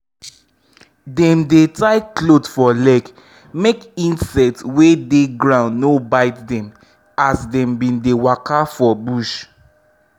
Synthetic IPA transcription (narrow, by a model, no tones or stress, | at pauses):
dɛ̃mdetaɪklodfɔlɛɡ | mekĩnsɛk̚tswedeɡɹãʊ̃ndnobaɪtdɛ̃m | asdɛ̃mbĩndewakafɔbuʃ